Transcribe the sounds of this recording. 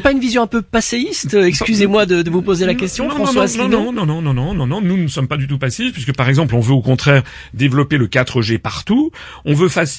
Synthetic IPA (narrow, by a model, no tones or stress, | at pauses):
paynvizjɔ̃ɛ̃pøpaseist̪ɛkskyzemwad̪əd̪əvupozelakʲɛst̪jɔ̃fχɑ̃swaĩnõnɔ̃nɔ̃nɔ̃nɔ̃nɔ̃nɔ̃nunəsɔmpad̪yt̪upaseit̪pɥiskəpaʁɛɡzɑ̃plɔ̃vøokɔ̃t̪χɛːʁ | d̪evlɔpeləkat̪χəʒepaʁt̪u | ɔ̃vøfas